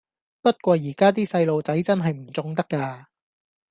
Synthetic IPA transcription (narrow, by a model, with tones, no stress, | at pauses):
pɐ˥t̚kʷɔː˧jiː˨˩kaː˥t̪̬iː˥sɐ˧jlo˨wt͡sɐ˨˥jt͡sɐ˥nɦɐ˨jm̩˨˩t͡sʊ˧ŋt̪ɐ˥kːaː˧